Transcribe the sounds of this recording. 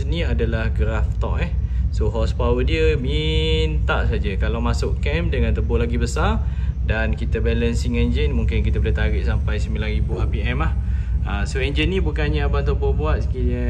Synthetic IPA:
snĩadalahɡɾaft̪ɔʔɛhsoɦɔspawədiəmint̪aʔsad͡ʒəkalawmasʊʔkɛmdəŋãnt̪əbʊhlaɡibəsardankit̪abɛlənsiŋɛnd͡ʒənmũŋkɪnkit̪abələt̪aɾiʔsampajsəmilaɾibuʔapiɛmlahasoɛɲd͡ʒənĩbukanɲaabant̪əbʊhbuat̪̚sə̥kiliə

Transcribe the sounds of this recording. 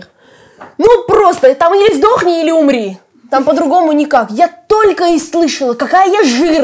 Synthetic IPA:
nupɾo̞st̪ət̪amjesʲt̚ʲd̪o̞xnʲɪilʲɪʊmɾʲi | t̪ampəd̪ɾʊɡo̞mʊnʲɪkakjat̪o̞lʲkəɪslˠɨʂəlˠəkɐkajəjaʐɨr

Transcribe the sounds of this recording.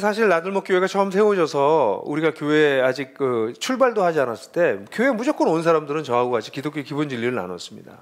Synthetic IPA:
sʰaɕʰiɭnadɯɭmok͈joe̞ɡat͡ɕʰʌɯmsʰe̞oɕʰʌsʰʌuɾiɡakjoe̞ad͡ʑik̚kɯt͡ɕʰuɭbaɭdohad͡ʑianas͈ɯɭt͈e̞kjoe̞mud͡ʑok͈ɯnons̬ʰaɾamdɯɾɯnt͡ɕʌɦaɡoɦad͡ʑik͈idok͈jokibund͡ʑiʎːiɾɯɭna̰no̰s͈ɯmɲḭda̰

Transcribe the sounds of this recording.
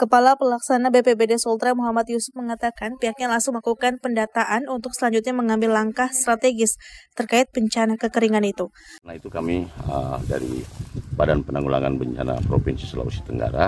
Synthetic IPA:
kəpalapəlaksanabepebedesɔlt̪ɾamuɦamat̪jusʊ̥p̚məŋat̪akanpiɦak̚ɲalaŋsʊŋlakukanpəndat̪aʔanunt̪ʊk̚səlaɲd͡ʒut̪̚ɲaməŋambɪlːaŋkahst̪ɾat̪eɡɪst̪ərkaɪt̪̚bəɲt͡ʃanakəkəɾiŋanit̪u | nahit̪ukamiəda̰ɾḭbadanpənaŋula̰ŋa̰nbəɲt͡ʃana̰pɾopinsisəla̰usi̥t̪əŋɡa̰ɾa

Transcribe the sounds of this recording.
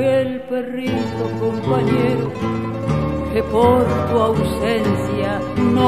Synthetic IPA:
elperisokompaɲeɾo | kepoɾt̪uawsensja | no

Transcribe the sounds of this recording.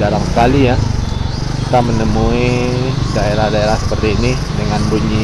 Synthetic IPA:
daɾaŋsəkalija | kit̪amənəmuidaeɾahdaeɾahsəpərt̪iːni | dəŋanbuɲi

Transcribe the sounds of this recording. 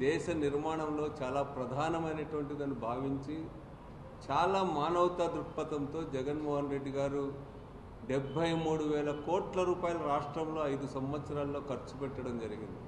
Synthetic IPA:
d̪ɛːʃɐniɾmaːɳɐmlo̞ːt͡ʃaːlaːpɾɐd̪ʱaːnɐmɐjnɐʈuʋɐɳʈid̪ɐnːubʱaːʋiɲt͡ʃi | t͡ʃaːlaːmaːnɐwt̪aːd̪ɾupːɐt̪ɐmt̪o̞ːd͡ʒɛɡɐnmɔːɦɐnɾe̞ɖːiɡaːɾu | ɖebʱːɐjmuːɽuʋɛːlɐkoːʈlɐɾuːpaːjɐlɐɾaːʂʈɾɐmlo̞ːɐjd̪usɐmʋɐt̪sɐɾaːlːo̞ːkɐɾt͡ʃupɛʈːɐɽɐmd͡ʒɐɾiɡḭnd̪i

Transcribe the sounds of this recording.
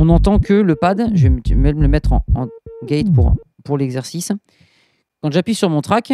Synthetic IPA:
ɔ̃nɑ̃t̪ɑ̃kələpad̪ʒvɛmmɛmələmɛt̪χɑ̰̃ɑ̃ɡʲɛjt̪puʁpuʁlɛɡzɛʁsis | kɑ̃ʒapɥisyʁmɔ̃t̪χak

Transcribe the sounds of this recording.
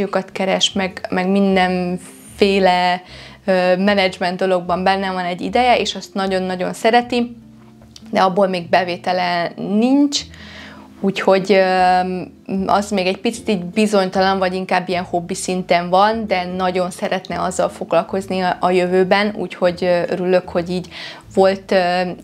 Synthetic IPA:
jokɒt̪kɛɾɛʃmɛɡmɛɡmind̪ɛɱ | feːlɛ | øːmɛnɛd͡ʒmɛnd̪o̞lo̞ɡ̚bɒmbɛnːɛvɒnɛɟːḭd̪ɛjɛeːʃɒst̪nɒɟo̞nːɒɟo̞nsɛɾɛt̪i | d̪ɛɒbːoːlmeːɡ̚bɛveːt̪ɛlɛniɲt͡ʃ | uːcho̞ɟø | ɒ̰zmeːɡɛcpit̪si̥t̪iːɟbizo̞ɲt̪ɒlɒɱvɒɟiŋkaːbːijɛnho̞bːisint̪ɛɱvɒnd̪ɛnɒɟo̞nsɛɾɛt̪nɛɒzːɒlfo̞ɡlɒlko̞zniɒjøvøːbɛnṵːcho̞ɟøøɾylø̞kho̞ɟiːɟ | vo̞lt̪ø

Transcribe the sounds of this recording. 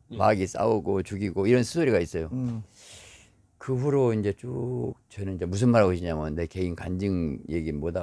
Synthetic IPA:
maɡis͈a̰ʌɡot͡ɕuɡiɡoiɾʌnsʰusoɾiɡais͈ʌjo | kɯɸuɾoind͡ʑe̞t͡ɕok̚t͡ɕʌnɯnid͡ʑemus̬ʰɯnmaɾɦaɡoɕʰiɲamane̞ke̞inkand͡ʑɯŋje̞ɡinmoda

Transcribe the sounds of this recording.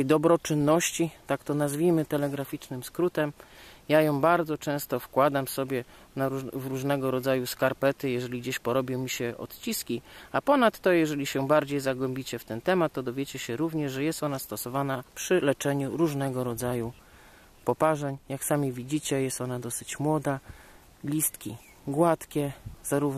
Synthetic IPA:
ɛjd̪ɔbɾɔt͡ʂɘnːɔɕt͡ɕit̪akt̪ɔnazvʲijmɘt̪ɛlɛɡɾafʲit͡ʂnɘmskɾut̪ɛmjajɔ̃w̃baɾd̪zɔt͡ʂɛ̃w̃st̪ɔfkwad̪amfsɔbʲjɛ | nauvɾuʐnɛɡɔɾɔd̪zajuskaɾpɛt̪ɘjɛʐɛlʲiɡd͡ʑeɕpɔɾɔbʲjɔ̃w̃mʲiɕɛɔ̰t̪t͡ɕiskʲiapɔnat̪ːɔjɛʐɛlʲiɕɛbaɾd͡ʑejzaɡwɛmʲbʲit͡ɕɛft̪ɛnt̪ɛmat̪ːɔd̪ɔvʲjet͡ɕɛɕɛɾuvɲɛʐʐɛjɛst̪ɔnast̪ɔsɔvanapʂɘlɛt͡ʂɛɲuɾuʐnɛɡɔɾɔd̪zaju | pɔpaʐɛɲjaksamʲivʲid͡ʑit͡ɕɛjɛst̪ɔnad̪ɔsɘt͡ɕmwɔd̪a | lʲist̪kʲi | ɡwat̪kʲɛz̥aɾuv

